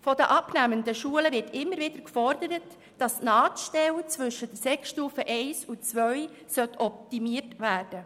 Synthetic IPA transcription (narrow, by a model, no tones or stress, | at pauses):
fɔdəʔɑpnæːməndəʃuələvɪɾtɪmːəɾvɪd̥̪əɾkfɔrdəɾət | d̥ɑsnɑːtʃtɛlt͡sʋʏʃətəsɛksʃtuːfəʔɛɪsut͡sʋœʏ | sœtʰɔp̚timiətʋæːrd̥ə